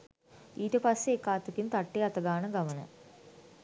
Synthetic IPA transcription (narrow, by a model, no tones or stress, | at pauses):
iɾepɐsekːaːt̪ːɐkːimt̪ɐʈːijɐt̪ːɐɣaːɳɨɡɐʋɐnɐ̰